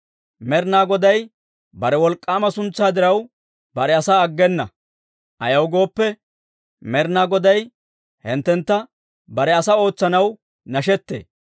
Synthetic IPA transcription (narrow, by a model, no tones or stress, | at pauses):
mɛɾnaːɡɔd̪ɐj | bɐɾɛwɔlkʼːaːmɐsʊnt͡sːaːd̪ɪɾɐw | bɐɾɛɐsaːɐɡːɛnːɐ | ʔɐjɐwɡo̞ːpːɛ | mɛɾnaːɡɔd̪ɐj | hɪnt̪ːɛnt̪ːɐ | bɐɾɛɐsɐo̞ːt͡sːɐnɐw | nɐʃɛt̪ːḛː